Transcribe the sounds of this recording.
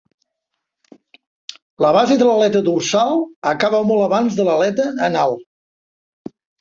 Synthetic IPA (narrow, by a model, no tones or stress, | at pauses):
ləβ̞azeðələlɛt̪əd̪ursalˠəkaβəmɔlˠəβanzðələlɛt̪əːnalˠ